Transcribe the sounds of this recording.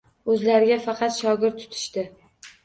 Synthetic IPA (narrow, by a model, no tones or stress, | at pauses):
ɵzlaɾɪɡʲafɑqʰɑt̪ʃɒɡʲɪɾt̪ʰːʊ̥t̪ʰɪ̥ʃt̪ɪ